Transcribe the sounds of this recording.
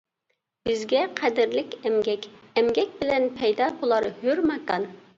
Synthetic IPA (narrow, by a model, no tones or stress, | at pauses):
b̥ɪzɡʲɛqʰæd̪ɪɾlɪkʲɛmɡʲɛkʲɛmɡʲɛkʲbɪlɛnpʰɛjd̪ɑbolˠɑɾhøɾmɑkɑn